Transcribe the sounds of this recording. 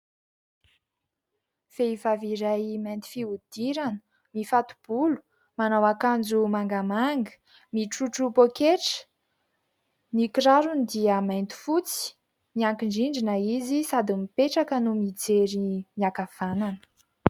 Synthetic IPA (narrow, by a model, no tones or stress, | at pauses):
feivaviɾajmajnt̪i̥fiud̪̥iɾanə | mifat̪u̥b̥ulu̥ | manawakand͡zumaŋɡamaŋɡə̥ | miʈ͡ʂuʈ͡ʂupokeʈ͡ʂə̥ | nikiɾaɾunid̪iəmajnt̪i̥fut͡si̥ | miaŋkiɳɖ͡ʐiɳɖ͡ʐinəizisad̪imipeʈ͡ʂakənumid͡zeɾimiakav̥ananə̥